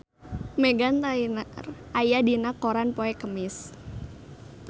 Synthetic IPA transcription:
mɛɡant̪ainar | ajadinakoɾanpoɛkəmɪs

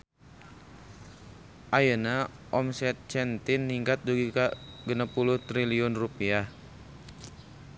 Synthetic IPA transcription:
ʔajəna | ʔɔmsɛt̪̚t͡ʃɛnt̪ɪnːiŋkat̪̚duɡiaɡənapuluht̪ɾiliɔnrupiah

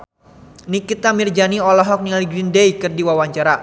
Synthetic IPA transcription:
nikit̪amird͡ʒaniɔlɔɦɔk̚nialiɡɾindejkɨrdiwawaɲt͡ʃaɾa

